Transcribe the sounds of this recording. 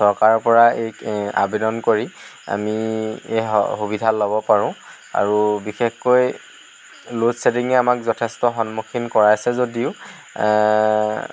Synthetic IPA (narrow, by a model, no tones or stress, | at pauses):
sɔɹkaɹɔpɔɹaeja̰bedɔnkoɹia̰mieɔ̰xubidʱalɔbɔpaɹʊ̃ | a̰ɹubixexkoj | lozsediŋɛamakzɔtʰɛstɔɦɔnmokʰinkɔɹaasɛzodiʊ